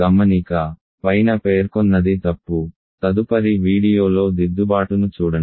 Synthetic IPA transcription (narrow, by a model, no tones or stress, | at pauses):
ɡɐmːɐnikɐ | pɐjnɐpe̞ːɾkɔnːɐd̪it̪ɐpːu | t̪ɐd̪upɐɾiʋiːɽijo̞ːlo̞ːd̪id̪ːubaːʈunut͡ʃuːɽɐn